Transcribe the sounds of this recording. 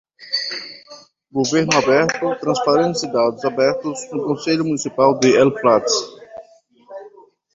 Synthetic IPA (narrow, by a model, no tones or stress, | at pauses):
ɡoveɾnʊabɛɾt̪ʊt̪ɾɐ̃spaɾẽsid̪ad̪ʊzabɛɾt̪ʊznʊkõseʎʊmũnisipawd̪ɪɛlpɾat̪s